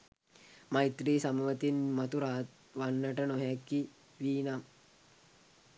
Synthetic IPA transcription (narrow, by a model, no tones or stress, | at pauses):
mait̪ɾiːsamuʋət̪inmɐt̪uɾaːt̪ | ʋanːəʈənoɦɛkːi | ʋiːnam